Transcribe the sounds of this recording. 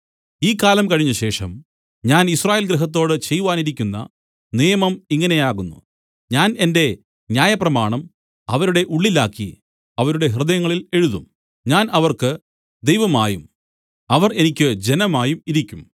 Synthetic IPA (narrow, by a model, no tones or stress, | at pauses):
iːkːaːlɐmkɐɻiɲːɐɕe̞ːʂɐm | ɲaːnisraːjeːlɡɾɐɦɐt̪̬ːo̞ːɽɨt͡ɕe̞jːuʋaːniɾikʲːunːɐ̰ | nijɐmɐmiŋːɐne̞jaːɣunːṵ | ɲaːne̞nde̞ | ɲjaːjɐprɐmaːɳɐm | ɐʋɐɾuɽe̞ʔuɭːilaːkːḭ | ɐʋɐɾuɽe̞ɦrɨðɐjɐŋːɐɭile̞ɻuðum | ɲaːnɐʋɐrkɨ | d̪e̞jʋɐmaːjum | ɐʋɐre̞nikʲːɨd͡ʑe̞nɐmaːjumiɾikʲːum